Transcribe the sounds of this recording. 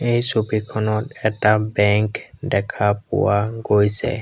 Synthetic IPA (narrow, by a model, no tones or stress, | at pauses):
ejsubikʰɔnɔtɛtabɛŋkdɛkʰapʊ̰waɡojsɛ̰